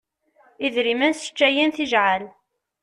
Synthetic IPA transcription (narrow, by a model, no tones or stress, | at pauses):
iðɾimænsə̥t͡ʃːæjinθiʒʕal